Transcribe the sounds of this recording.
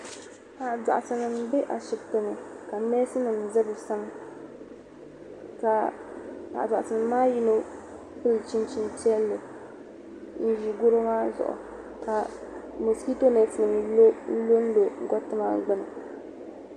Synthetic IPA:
ha˨da̰˨ʔa˨sɨ˨nɨ˨m˦bɛ˦ʔa˨ʃɪ˨bto˨nɨ˨ka˨nɛː˦sɨ˦nɨ˨m˨zɨ˦bɨ˨sa˦m˦ | ka˨ha˨da˨ʔa˨ɨ˨nɨː˨˦aː˦ji˦no˦ | pɨ˦lt͡ʃi˦nt͡ʃi˦nti˦ɛ˦lːɨ˨ | n̩˦ʒi˨ɡo˦ɾo˦maː˦zʊ̰˨ʔʊ̰˨ | ka˨mo˨ski˦to˦ne˨tɨ˨nɨ˨n˨˦lo˦n̩˦lo˦n̩˦lo˨ŋ˦ɡɔ˦tɨ˦ma˦ŋ˦ɡ͡bɨ˦nɨ˨

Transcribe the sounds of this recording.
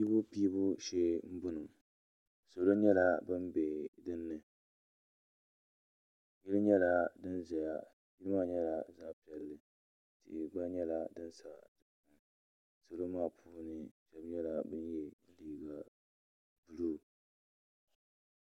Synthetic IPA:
i˦bu˦piː˦bʊ˦ʃeː˦m̩˦bʊ˦nɨ˨m | so˨lo˦ɲɛ˦la˨bɨ˦m˦be˨dɨ˦nːɨ˨ | ji˦lɨ˦ɲɛ˦la˨dɨ˦nza˨ja˨ | ji˦ɾɨ˦ma˦˨ɲɛ˦la˨zaː˦pi˨ɛ˨lːɨ˨ | tḭ˨ɡ͡ba˦ɲɛ˦la˨dɨ˦nsa˨dɨ˨ma˨ | so˨lo˦maː˦˨pʰuː˦nɨ˨ʃɛ˦bɲɛ˦la˨bɨ˦njɛ˦n̩˦liː˨ɡa˨ | bu˨luː˦˨

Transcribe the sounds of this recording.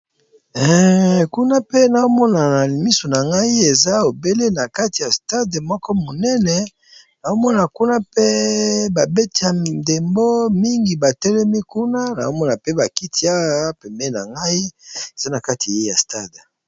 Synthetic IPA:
ɛ˨ku˦na˦pe˦na˨o˦mɔ˦na˨na˨li˨mi˦so˨na˨ŋɡa˦i˦e˨za˦o˨be˦le˦na˨ka˦ti˨ja˨sta˦dmɔ˦kɔ˦mo˨nɛ˦nɛ˨ | na˨o˦mɔ˦na˨ku˦na˦pe˦ba˨be˦ti˦a˨nde˨mbo˦mi˦ŋɡi˨ba˨tɛ˦lɛ˦mi˦ku˦na˦na̰˨o˦mɔ˦na˨pe˦ba˨ki˦ti˦a˦pɛ˨mbɛ˦na̰˨ŋɡa˦i˦e˨z̥a˦na˨ka˦ti˨a˨e˦ja˨sta˦˨d

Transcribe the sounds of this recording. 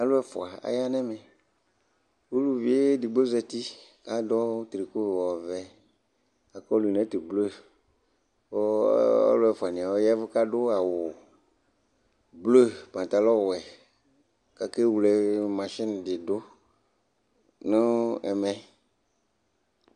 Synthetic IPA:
a˨lʊ˦ɛ˨fʊ̰˨a˨a̰˨ja˦nɛ˦mɛ˨ | wu˦lu˦vi˨e˦di˨ɡ͡bo˦zɛ˨t̪i˦ | a˦dɔ˦t̪ɾi˨ko˦˨wɔ˨vɛ˨ | a˨kɔ˦lu˨i˨nɛ̃˦t̪i˨blo˦˨ | ɔ˦a̰˦lʊ˦ɛ˨fʊ˨a˨nɪ̃˨a˨wɔ˦jɛ˦vʊ˦ka˦dʊ˦a˨wʊ˨ | blo˦˨pã˨t̪a˨lɔ˦wɛ˨ | ka˨ke˦wu˨lɛ˨mã˨ʃɪ˦n˨dɪ˨dʊ˦ | nʊ˦ɛ̰˨mɛ˨

